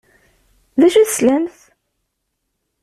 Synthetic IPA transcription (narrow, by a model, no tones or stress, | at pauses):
ðæʃæθslæmθ